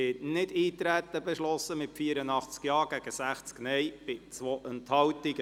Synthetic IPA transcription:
ɪtnɪdiːt̪ɾæt̪ːəbɛʃlɔsːəmɪtfiəɾənɑχt͡skjɑːɡ̥æɡ̥əsæχt͡sknɛjb̥ɪt͡sʋoʔɛnt̪hɑwtiɡə

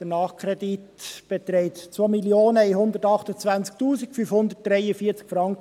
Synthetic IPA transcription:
d̪̥ənɑːχkʰɾɛditb̥et̪ɾɛɪtt͡sʋomiljoːnəihʊnd̪əɾtɑχtət͡svænt͡sk̚tuːsikfyfhʊnd̪ət̚d̥ɾɛɪəfiːət͡skfɾɑŋk

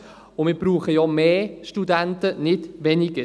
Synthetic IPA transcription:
ʊmɪːbɾuːχəjɔmeːʃtudænt̪ənɪdʋɛnɪɡə

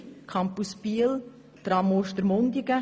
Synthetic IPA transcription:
kʰɑmpuspiəl | t̪ɾɑmoʃt̪əɾmoŋd̪iɡə

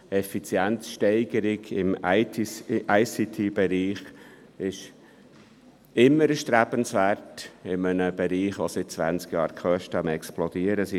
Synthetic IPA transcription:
ɛfit͡sjænsʃtɛɪɡəɾɪɡɪmʰ | ʔaɪsit̪ʰibɛɾiːχ | ɪʃ | ɪmːəɾəʃt̪ɾæb̥ənsvæɾtɪmənəb̥ɛɾiːχʋosɪt̚t͡sʋæ̰nt͡skjɑ̰ːɾkʰœʃtəəmɛksplod̥iəɾəsi

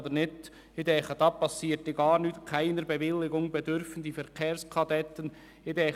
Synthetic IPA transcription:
d̪ənɪt | ɪd̪ɛχəd̥̪ɑpɑsːiːtːɪɡɑːɾnytkʰaɪnəɾbɛvɪlːɪɡʊŋbɛd̪ʏɾfən̩d̪ifɛɾkʰeːɾskʰɑd̪ɛt̪ən | ɪd̪ɛ

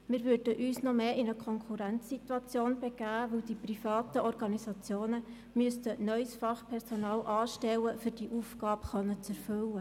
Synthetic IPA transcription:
mɪːɾʋød̥əʔyːsnɔmeːʔɪnəkʰɔŋkʰuɾænt͡sːit̪wɑt͡sjoːnb̥ɛɡ̥æːʋɵwd̥iprifɑːt̪əʔɔɾɡɑnisɑt͡sjoːnə | myəstənœʏsfɑχpʰɛɾsonɑːlʔɑːʃtɛlːəfyɾd̥iʔufɡ̥ɑːbχœnːət͡sɛɾfɵlə

